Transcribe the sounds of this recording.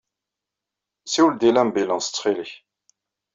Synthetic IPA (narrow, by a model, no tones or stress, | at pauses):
siwld̪ilæmbilənsə̥t͡sːχiləç